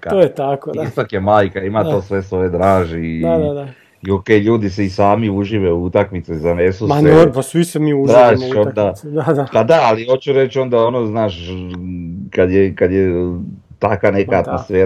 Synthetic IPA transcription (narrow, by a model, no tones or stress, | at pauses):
aojet̪akoist̪akjemaːjkaimat̪o̞ːsʋe̞sʋo̞je̞d̪ɾaːʒia | iokejʎuːd̪is̬eisaːmiuʒiʋeuut̪akmit̪sezanesuanopasʋisemiuʒɾaːʒiʃonnd̪aaapad̪aaliot͡ɕuɾet͡ɕo̞nd̪ao̞noznaːʃ | kad̪jekad̪je | t̪akʋane̞kaat̪mosfeːɾ